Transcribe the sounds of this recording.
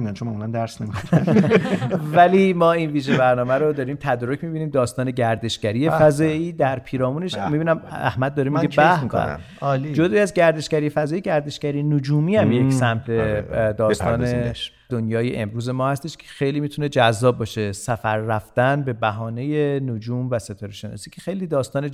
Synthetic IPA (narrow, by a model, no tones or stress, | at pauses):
iænt͡ʃʰonmæmulænd̪æɾsnemio | vælimɒːinviːʒebæɾnɒːmæɾod̪ɒːɾiːmt̪ʰæd̪ɒɾocʰmibiniːmd̪ɒːst̪ɒːne̞ɟæɾd̪e̞ʃɟæɾije̞fæzɒːiːd̪æɾpʰiːɾɒːmuːneʃmibiːnæmæ̰hmæd̪̚ːɒːɾemiɡebæhiko̰n̰ | d͡ʒod̪ɒːiæzɟæɾd̪e̞ʃɡæɾijefæzɒːjeɟæɾd̪e̞ʃɡæɾijenod͡ʒuːmiːæmjessæmt̪ʰed̪ɒːst̪ɒ̰ːne | d̪̥onjɒːjḛʔemɾuːze̞mɒːhæst̪e̞ʃcʰe̥xejliːmit̪ʰune̞d͡ʒæzːɒːb̚ːɒːʃe̞sæfæɾːæfd̪ænbe̞bæɦɒːne̞jenod͡ʒuːmvæse̞t̪ʰɒːɾeʃenɒ̰ːsiːcʰexejliːd̪ɒːst̪ɒːne